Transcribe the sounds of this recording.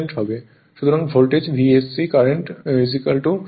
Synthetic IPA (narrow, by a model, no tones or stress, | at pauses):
ɳʈɦɔbe | ʃut̪ʰoɾãŋɡfolʈed͡ʑbʱiesikaɾeɳʈmizikəlʈu